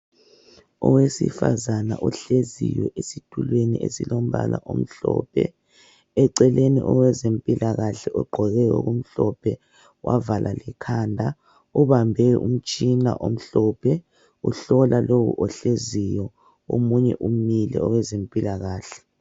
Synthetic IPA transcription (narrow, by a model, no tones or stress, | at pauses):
ɔwesḭfazana̰ʔɔɬezijɔʔesitʰʼulweniesilom̩βa̰la̰ʔom̩ɬɔ̰ːpʰɛ̰ | ɛǀɛlenḭʔɔwɛzempʼilaɣaɬɛʔɔɡ͡ǃʱɔɣɛjɔɣum̩ɬɔpʰɛ | wavalʔalɛkʰaːndʱa | uβambʱɛum̩t͡ʃʼinaʔom̩ɬɔpʰɛ | uɬɔlalowṵʔɔɬezijɔ | omuɲɛʔumilɛɔwɛzempʼilaɣaːɬɛ̥